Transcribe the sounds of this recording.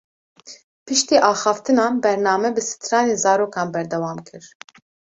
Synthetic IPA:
pɨʃt̪iːʔɑːxɑːft̪ɨnɑːnbɛɾnɑːmɛbɨsɨ̥t̪ʰɾɑːneːzɑːɾoːkɑːnbɛɾd̪ɛwɑːmkʰɨɾ

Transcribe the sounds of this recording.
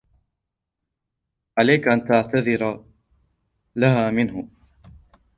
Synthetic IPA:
ʕalajkʔant̪aʕt̪aðɪɾa | laɦaːmɪnɦʊ

